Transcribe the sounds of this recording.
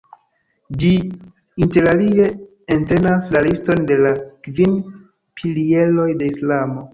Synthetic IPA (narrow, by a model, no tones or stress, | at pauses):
d͡ʒi | inte̞ɾalie̞ | ente̞naslalisto̞nde̞lakvin | pʰilie̞lo̞jde̞islamo̞